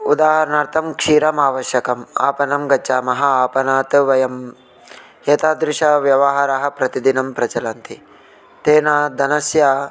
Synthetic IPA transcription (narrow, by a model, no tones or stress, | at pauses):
ud̪aːɦɐɾɐnɐːɾt̪ʰɐmkʂiːɾɐmaːʋɐʃjɐkɐma̰ːpɐnɐmɡɐt͡ʃːaːmɐɦɐaːpɐnaːt̪ʋɐjɐm | eːt̪aːd̪ɾɪʂɐʋjɐʋɐɦaːɾɐɦɐ̆pɾɐt̪id̪inɐmpɾɐt͡ʃɐlaːnt̪ʰi | t̪eːnaːd̪ɐnɐsjaː